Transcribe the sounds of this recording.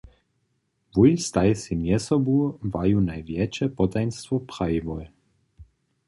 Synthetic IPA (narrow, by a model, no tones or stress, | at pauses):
vujst̪ajsimjɛsɔbuvajunajvjɛt͡ʃɛpɔt̪ajnst̪vɔpɾaivɔj